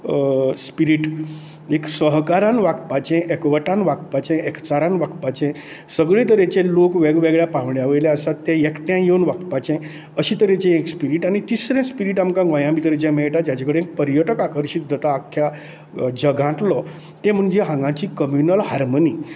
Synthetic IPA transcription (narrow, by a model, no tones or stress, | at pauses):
spiɾiʈ | eksəɦkaɾanʋakpat͡ɕɛ̃ʔekʋəʈãnʋakpat͡ɕẽʔɛkt͡saɾãnʋakpat͡ɕẽ | səɡɭẽt̪əɾet͡ɕelokʋɛɡʋɛɡɭjapãʋɳjaʋəjljeasat̪ːẽjekʈjãjewnʋakpat͡ɕẽ | əɕit̪əɾet͡ɕẽekspiɾiʈañit̪isɾẽnspiɾiʈamkãɡʋajãmit̪əɾet͡ɕɛ̃mɛɭʈad͡ʑjat͡ɕakəɽeek̚pəɾjəʈəkakəɾɕit̪̚d̪ʱət̪aːkʰːja | d͡ʑəɡʱãʈ̪lɔ | t̪ẽm̤əɳd͡ʑeɦãŋɡãt͡ɕiːkəmjunəlɦaɾməniː